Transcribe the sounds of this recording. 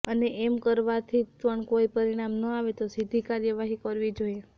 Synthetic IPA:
əneʔemkəɾʋat̪ʰipəɳkoipəɾiɽ̃amnəaʋet̪osid̪ʱikaɾjəʋaɦikəɾʋid͡ʒoje

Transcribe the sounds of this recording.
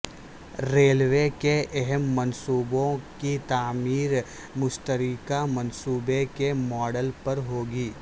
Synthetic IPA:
ɾeːlʋekeʔɛɦɛmːɐnsuːbõkit̪aːmiːɾ | mʊst̪əɾikamɐnsuːbekemɔːɖəlpɐɾɦoːɡiː

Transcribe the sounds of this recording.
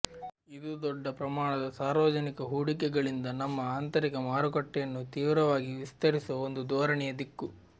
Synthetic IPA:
id̪ud̪ɔɖːɐpɾɐmaːɳɐd̪ɐsaːɾʋɐd͡ʒɐnikɐɦuːɽikɛɡɐɭind̪ɐnɐmːɐaːnt̪ɐɾikɐmaːɾukɐʈːɛjɐnːut̪iːʋɾɐʋaːɡiʋist̪ɐɾisuʋɐond̪ud̪ɔːɾɐɳɛjɐd̪ikːu

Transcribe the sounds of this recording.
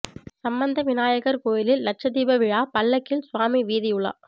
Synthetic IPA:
sɐmbɐnd̪ɐʋɪnaːjɐɣɐɾkoːjɪlɪlːɐʈ̚t͡ʃɐðiːbɐʋɪɻaːpɐlːɐkːɪlsʊʋaːmiʋiːðɪjʊɭːa̰ː

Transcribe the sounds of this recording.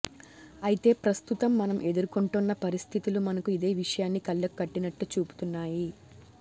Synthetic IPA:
ɐjit̪e̞ːpɾɐst̪ut̪ɐmːɐnɐmʔe̞d̪uɾukuɳʈunːɐpɐɾist̪ʰit̪ulumɐnɐkuid̪e̞ːʋiʂɐjaːnːikɐlːɐkkːɐʈːinɐʈːut͡ʃuːpu̥t̪unːaːji

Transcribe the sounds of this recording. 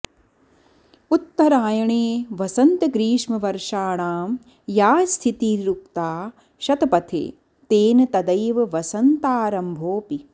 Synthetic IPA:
ut̪ːɐɾaːjɐɳeːʋɐsɐnt̪ɐɡɾiːʂmɐʋɐɾʂaːɳaːm | jaːst̪ʰit̪iɾukt̪aː | ʃɐt̪ɐpɐt̪ʰḛː | t̪eːnɐt̪ɐd̪ɐjʋɐʋɐsɐnt̪aːɾɐmbʱoːpi

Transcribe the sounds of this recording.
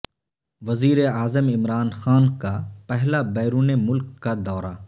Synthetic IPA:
ʋɐziːɾeaːzəmɪmɾaːnxaːnkapɛɦlabɛːɾuːnemʊlkːad̪ɔːɾa

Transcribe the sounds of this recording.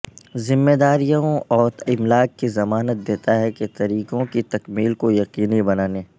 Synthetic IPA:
zɪmːeːd̪aːɾijõɔːɾɪmlaːk̚kːizɐmaːnət̪̚d̪eːt̪aɦɛket̪ɐɾiːqõkit̪ɐkmiːlkojɐqiːnibɐnaːneː

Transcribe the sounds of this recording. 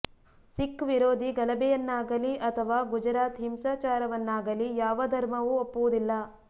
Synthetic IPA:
sikːʋiɾoːd̪iɡɐlɐbɛjɐnːaːɡɐliʔɐt̪ʰɐʋaːɡud͡ʒɐɾaːt̪ɦimsaːt͡ʃaːɾɐʋɐnːaːɡɐlijaːʋɐd̪ʱɐɾmɐʋuopːuʋud̪ilːɐ

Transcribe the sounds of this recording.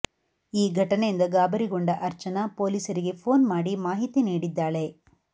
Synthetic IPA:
iːɡʱɐʈɐnejind̪ɐɡaːbɐɾiɡoɳɖɐʔɐɾt͡ʃɐnɐpo̞ːlisɐɾiɡe̞pʰo̞ːnmaːɽimaːɦit̪iniːɽid̪ːaːɭe̞

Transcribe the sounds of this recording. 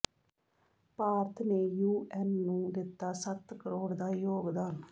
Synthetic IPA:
paːɾt̪ʰneːjuːɛnːũːd̪ɪt̪ːaːsət̪kəɾoːɽd̪aːjoːɡd̪aːn

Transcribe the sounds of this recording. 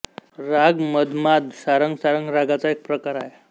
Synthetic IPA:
ɾaɡməd̪mad̪saɾəŋɡsaɾəŋɡɾaɡat͡saek̚pɾəkaɾa̰ɦe

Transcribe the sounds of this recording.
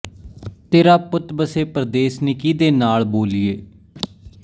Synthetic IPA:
t̪eːɾaːpʊt̪bəseːpɾəd̪eːsnɪkiːd̪eːnaːlboːlɪjeː

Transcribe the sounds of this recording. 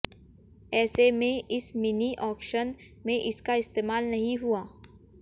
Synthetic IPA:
ɛːsemẽʔɪsmɪniʔɔːkʃən | mẽʔɪskaɪst̪eːmaːlnɐɦĩɦuaː

